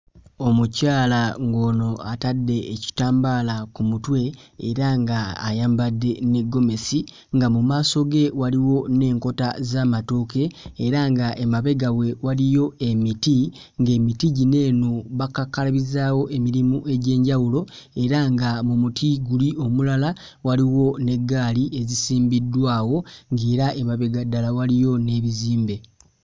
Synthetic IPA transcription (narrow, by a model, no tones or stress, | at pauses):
o̞mucaːlaŋɡo̞ːno̞atadːe̞ːci̥taːmbalakumutwe̞ːɾaŋɡaːjaːmbadːe̞ne̞ɡːo̞me̞si | ŋɡamumaːso̞ɡe̞waliwo̞ne̞ːŋko̞ta̰zaːmatoːke̞ːɾaŋɡaʔemaβe̞ɡawe̞walijo̞e̞miti | ŋɡe̞ːmitiɟine̞ːnuβakakalaβizaːwo̞ʔe̞miɾimuʔe̞ɟe̞ːɲɟawulo̞ | e̞ɾaŋɡamumutʰiɡulio̞mulala | waliwo̞ne̞ɡːaːliʔe̞zisiːmbidːwaːwo̞ŋɡeːɾaemaβe̞ɡadalawalijo̞ne̞βiziːmbe̞